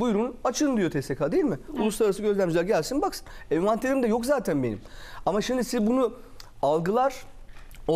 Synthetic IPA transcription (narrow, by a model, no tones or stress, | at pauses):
bujɾunat͡ʃʰɯnd̪ijo̞t̪ʰest̪ekʰad̪ejilʲmɪulˠusˠaɾaɾasɯɟø̞zlʲæmd͡ʒilʲæɾɟælʲsinbaksɯ̥nemant̪ʰeɾʲimd̪ɛjo̞kzaːt̪ʰænbe̞nḭmamaʃimd̪isizbunu | alˠɡɯlˠaɾ̥o